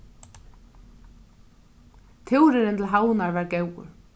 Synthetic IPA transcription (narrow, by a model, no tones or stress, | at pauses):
t̪ʰɪwɾɪɾɛnt̪lɦaːwnaɾvaɾɡewʏ̰ɾ̥